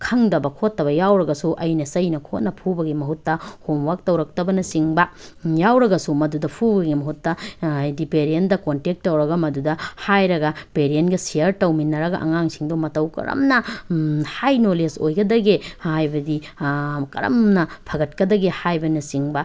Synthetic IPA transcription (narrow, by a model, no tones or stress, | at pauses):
kʰɐŋdɐbɐkʰotːɐβɐjawɾɐɡɐsuʔɐjnɐsɐjnɐkʰot̚nɐpʰubɐɡimɐɦutːɐhomwak̚tɐwɾɐk̚tɐbɐnɐsiŋbɐjawɾɐɡɐsumɐdudɐpʰubɐɡimɐɦutːɐjdipeɾiendɐkontek̚tːɐwɾɐɡɐmɐdudɐhajɾɐɡɐpeɾienɡɐsiɐɾtɐwminːɐɾɐɡɐ̰ʔɐ̰ŋaŋsiŋdomɐtɐwkɐ̰ɾɐ̰mnɐ | hajnolesojɡɐdɐɡehajbɐdi | kɐ̰ɾɐ̰mnɐpʰɐɡɐt̚kɐdɐɡehajbɐnɐsiŋbɐ